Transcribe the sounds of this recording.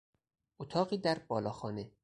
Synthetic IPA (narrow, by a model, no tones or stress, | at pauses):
ʔot̪ʰɒːɢiːd̪æɾbɒːlɒːxɒːne